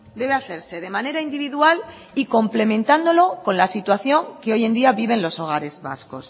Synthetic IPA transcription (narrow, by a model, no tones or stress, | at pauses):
d̪e̞βeaθe̞ɾse̞ð̞e̞mãne̞ɾaind̪iβiðual | iko̞mple̞mẽnt̪and̪o̞lo̞ko̞nlasit̪waθjo̞ŋke̞o̞je̞nd̪iaβiβe̞nlo̞so̞ɣ̞aɾe̞zβa̰sko̞s